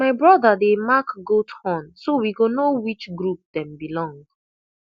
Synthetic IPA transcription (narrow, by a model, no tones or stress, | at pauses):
maɪbɹɔdədemakɡotʰhɔ̃nsowiɡonowit͡ʃɡɹup̚dɛ̃mbilɔ̃ŋd